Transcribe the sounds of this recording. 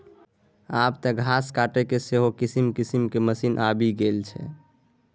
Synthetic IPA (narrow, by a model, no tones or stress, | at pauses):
abt̪ɔɡʱaskaʈekeseɦokisimkisimkeməsinʔabiɡelt͡ʃʰɛ̰